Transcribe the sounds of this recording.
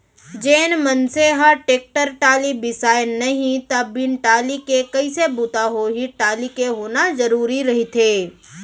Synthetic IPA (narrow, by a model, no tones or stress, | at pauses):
d͡ʒeːnmɐnseɦaʈeːk̚ʈəɾʈaːlibɪsaːjnɐɦĩt̪ɐbːɪnʈaːlikekɐisebut̪aɦoɦiʈaːlikeɦoːnazɐɾuːɾiɾɐɦit̪ʰeː